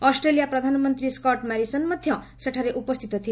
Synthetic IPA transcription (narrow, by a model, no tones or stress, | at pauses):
ɔsʈɾelijapɾʌd̪ʱanmʌnt̪ɾiskʌʈmaɾisʌnmʌd̪ʱjʌ | seʈʰaɾeʔupʌst̪ʰit̪ɔt̪ʰie